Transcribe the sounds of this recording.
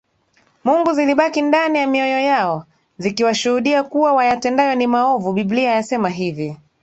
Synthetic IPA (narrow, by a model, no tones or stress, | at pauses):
muŋɡuziliɓakindanijamiɔjɔjaɔ | zikiwaʃuhuɗiakuwawajatɛndajɔnimaɔvuɓiɓliajasɛmaɦivi